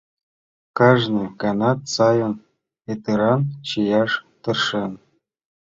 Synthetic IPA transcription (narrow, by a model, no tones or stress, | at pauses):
kɑʒnɨkɑnɑt̪sɑjɤ̆n | et̪ɯɾɑnt͡ɕijɑʂt̪ɤ̆rʂɤ̆n